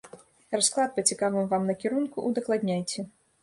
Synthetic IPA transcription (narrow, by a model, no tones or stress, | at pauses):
rasklˠat̪̚pɐt͡sʲikavɨmvamnɐkʲɛɾunkuʔud̪ɐklˠad̪ʲnʲajt͡sʲɛ